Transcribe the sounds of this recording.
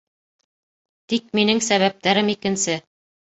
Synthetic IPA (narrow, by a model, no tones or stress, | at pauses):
t̪ik̚minɘŋsæβæp̚t̪æɾɘmikɘ̆nsɘ